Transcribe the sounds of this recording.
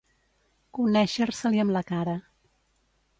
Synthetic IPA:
kunɛʃəɾsəliəmləkaɾə

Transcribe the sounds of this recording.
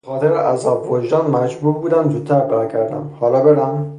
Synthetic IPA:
bexɒːt̪ʰeɾeʔæzɒːbvoʒd̪ɒːnmæd͡ʒbuːɾbuːd̪æmzuːdt̪̚ʰːæɾbæɾɡæɾd̪æ̰mhɒːlɒːbeɾæm

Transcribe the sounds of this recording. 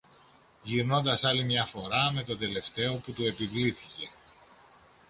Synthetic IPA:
ʝiɾno̞nd̪ɐsɐlimɲɐfo̞ɾɐme̞t̪o̞nd̪e̞le̞ft̪e̞o̞put̪ue̞pivliθice̞

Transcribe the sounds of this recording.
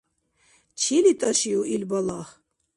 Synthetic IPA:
t͡ʃʰilit̪ʼɐʃiuʔilbalaχ

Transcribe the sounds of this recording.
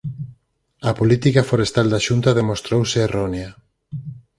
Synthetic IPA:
ɐpolit̪ikafoɾest̪ald̪aʃunt̪aðemost̪ɾowseːronea

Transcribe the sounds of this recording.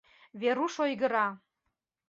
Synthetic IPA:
βeɾuʃojɣə̆ɾɑ

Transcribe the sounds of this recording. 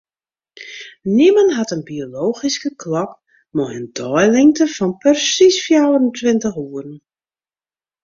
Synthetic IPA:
niməntɦatənbioloːxiskəkʰlɔp̚ | mɔəndɔjlɪŋtəfɔnpərsisfjawrəntʋɪntəχuərn

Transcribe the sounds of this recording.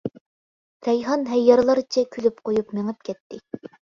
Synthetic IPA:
t̪ɛjɦɑnɦɛjːɑɾlˠɑɾɨt͡ʃʰɛkʲʰylyp̚qʰojupmeŋɨp̚kʲʰɛt̪ːɪ

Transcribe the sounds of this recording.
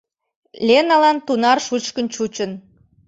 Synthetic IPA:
lʲenɑlɑnt̪unɑrʃut͡ɕkənt͡ɕut͡ɕən

